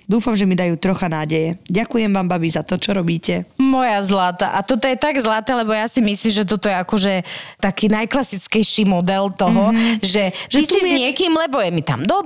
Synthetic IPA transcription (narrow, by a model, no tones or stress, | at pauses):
d̪uːfamʒɛmid̪ajuːt̪ɾɔxanaːɟɛjɛɟakujɛmʋaːmbabizat̪ɔt͡ʃɔɾɔbiːcɛmɔjazlat̪aʔat̪ɔt̪ɔjɛt̪aɡzlat̪ɛːlɛbɔjasimisliːmʒɛt̪ɔt̪ɔjɛakɔʒɛt̪akiːnajklasit͡skɛjʃiːmɔd̪ɛlt̪ɔɦɔʒɛʒisizɲɪɛkiːmlɛbɔjɛmit̪a̰md̪ɔ